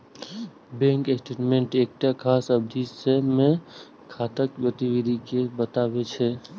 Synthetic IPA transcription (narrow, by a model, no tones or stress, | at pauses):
bẽŋkesʈeʈmeɳʈek̚ʈakʰaːsəb̚d̪ʱisemẽ | kʰat̪əkpɾət̪iwid̪ʱikebət̪abet͡ʃʰɛ